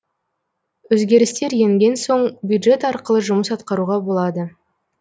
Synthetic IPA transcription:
wɵzɡʲe̞ɾɪst̪e̞ɾje̞ŋɡʲe̞nso̞ɴbʲjud̪ʒe̞t̪ɑɾqəlˠəʒʊməsɑt̪qɑɾuʁɑbo̞lˠɑd̪ə

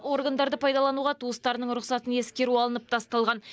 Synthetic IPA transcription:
o̞ɾɡand̪ɑɾd̪əpʰɑjd̪ɑlˠɑnuʁɑt̪ʰuəst̪ɑɾənəɴɾʊqsɑt̪əne̞skʲe̞ɾuɑlˠənəp̚t̪ʰɑst̪ɑlˠʁɑn

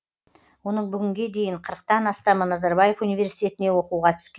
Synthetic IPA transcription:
wo̞nəɴbʏɡʲɪŋɡʲe̞d̪e̞jɪɴqʰəɾəq̚t̪ɑnɑst̪ɑmənɑzɑɾbɑje̞funijvʲe̞ɾsijt̪ʲe̞t̪ɪne̞wo̞quʁɑt̪ʰʏ̥skʲe

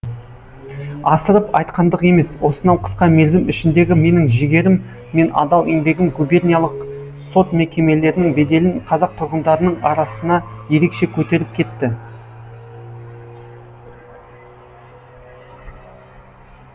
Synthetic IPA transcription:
ɑsəɾəpɑjt̪̚qɑnd̪əqe̞me̞swo̞sənɑwqʰə̥sqɑmelzɪmʏʃɪnd̪e̞ɡʲɪme̞nɪŋʒɪɡʲe̞ɾɪmː | e̞nɑ̰d̪ɑlˠeŋbe̞ɡʲɪŋɡube̞rʲnijalˠəq | so̞t̪me̞kʲe̞me̞le̞ɾɪnɪŋbe̞d̪e̞lɪnqʰɑzɑq̚t̪ʰʊɾʁənd̪ɑɾənəɴɑɾɑsənɑje̞ɾe̞kʃe̞kʲʰɵt̪e̞ɾɪp̚kʲʰe̞t̪ːɪ

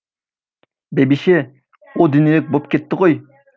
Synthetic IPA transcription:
bebiʃɪ | ud̪ynilɪk̚ʲbop̚kʲʰet̪ʰːɪqoj

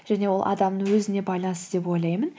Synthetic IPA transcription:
ʒ̥æne̞wo̞lˠʔɑ̰d̪ɑmnəŋwɵzɪne̞bɑjlˠɑnst̪əd̪e̞po̞jlˠɑjmən

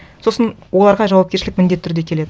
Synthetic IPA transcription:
so̞sənwo̞lˠɑɾʁɑʒɑwɑp̚kʲe̞ɾʃɪlɪkmɪnd̪e̞t̪ʰːʏɾd̪e̞kʲʰe̞le̞d̪ɪ

